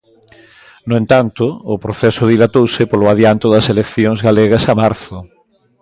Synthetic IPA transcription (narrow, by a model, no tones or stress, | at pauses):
noẽnt̪ant̪ʊːpɾoθɛsʊðilat̪owsɪpolʊaðjant̪ʊðɐselekθjoŋzɣaleɣɐsamaɾθʊ